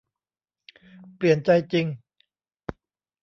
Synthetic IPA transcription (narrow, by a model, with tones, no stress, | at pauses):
pli˨˩ənt͡ɕa˧jt͡ɕi˧ŋ